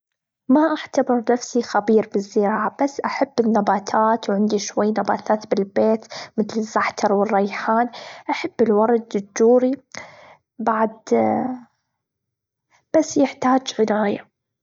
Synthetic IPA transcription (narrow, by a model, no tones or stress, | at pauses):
maʔaʕt̪abɪɾnafsixabiːɾbizːɪɾɑːʕab̥asːʔaħabːɪnːabaːt̪ʰaːt̪wʕɪnd̪iʃwajːnaba̰ːt̪ʰaːt̪bɪlbeːt̪mɪθlɪzːaħt̪ʰɑɾˤwɪrˤːɑjħaːnʔaħabːɪlwɑɾˤɑd̪d͡ʒʊd͡ʒuːɾi | baʕd̪ | b̥asːjɪħt̪aːd͡ʒʕɪnaːja̰